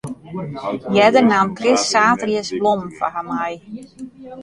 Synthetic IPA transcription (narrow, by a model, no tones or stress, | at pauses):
jɛdərnankrɪsːaːtrjəsblɔmfa̰hamaj